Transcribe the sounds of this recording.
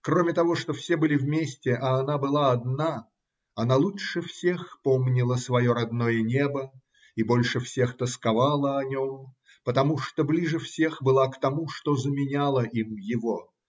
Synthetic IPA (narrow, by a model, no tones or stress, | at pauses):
kromʲɪt̪ɐvo̞ʂt̪ofsʲe̞bɨlʲɪvmʲesʲtʲɪʔɐːnabɨlˠaɐd̪na | ɐnalˠuʂɨfsʲe̞xpomnʲɪlˠəsvɐjo̞ɾɐd̪no̞jənʲebə | ibo̞lʲʂɨfsʲext̪əskɐvalˠəɐnʲom | pət̪ɐmuʂt̪oblʲiʐɨfsʲe̞xbɨlˠakt̪ɐmuʂt̪ozəmʲɪnʲalˠəʔimjɪvo